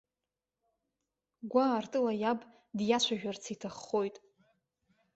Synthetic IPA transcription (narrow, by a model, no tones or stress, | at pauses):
ɡʷaːrtʼɨlajab | djat͡ʃʷʰaʒᶣart͡sʰitʰaχːo̞jtʼ